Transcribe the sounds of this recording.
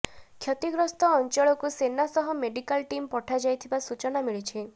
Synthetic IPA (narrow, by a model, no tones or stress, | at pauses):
kʰjɔt̪iɡɾɔst̪ɔːnt͡ʃɔɭɔkusenasɔɦɔmeɖikalʈimpɔʈʰad͡ʒajt̪ʰibasut͡ʃɔnamiɭit͡ʃʰi